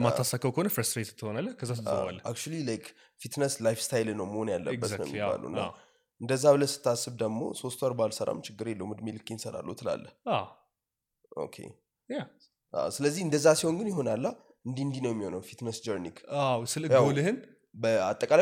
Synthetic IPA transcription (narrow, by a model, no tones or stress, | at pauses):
maasakʰəwkəhonəfɾəst̪ɾet̪t̪ʰːɨhonalːəhkʰəzːas̬t̪ʰaz̰alːəʔa̰kt͡ʃulilajk | fit̪nəslajfst̪ʰajlnəwməho̞njalːə̰bːət̪nəw̰mːjiba̰lṵɨ̰nːa̰ | ʔɨnd̪əzːaβɨləsɨ̥t̪ʰːasːɨβd̪əmo̞̰so̞st̪waɾbalsəɾa̰mt͡ʃʰɪɡːɨɾelːəwmɨd̪melɨkʼːinsəɾa̰lːṵt̪ʰɨla̰lːəha | ʔo̰kʰḛ | ja | ʔa̰sɨləzːihɨnd̪əzːasiho̞nɡɨnjɪɦo̞nalːa | ɨnd̪iɨnd̪inəwjɛmːiho̞nəwfit̪nəsd͡ʒəɾnikʰawsɨlɨawolɨhɨn | bəa̰t̪ʼːəkʼala